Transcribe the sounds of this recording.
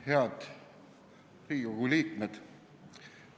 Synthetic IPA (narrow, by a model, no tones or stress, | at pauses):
heɑd̪̥ | riːjuɡulʲiːk̚med̪̥